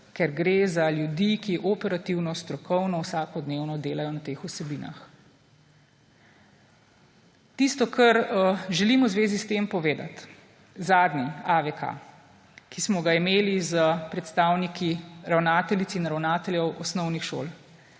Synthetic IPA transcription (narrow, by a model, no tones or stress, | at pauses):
kɛɾɡɾezaljud̪ikiʔɔpɛɾat̪iwnɔst̪ɾɔkʰɔwnɔwsaːkɔd̪neːwnɔd̪eːlajɔnat̪eːxusɛbiːna̰x | t̪ist̪ɔkʰɐɾʒɛlimɔwzʋeːzist̪empɔʋeːd̪a̰t̪ | zaːd̪niaʋɛka̰ | kismɔɡaimeːlizəpɾɛt̪st̪awnikʰiɾawnaːt̪ɛlit̪siːnɾawnaːt̪ɛljɛwɔsnɔwnixʃo̰ːl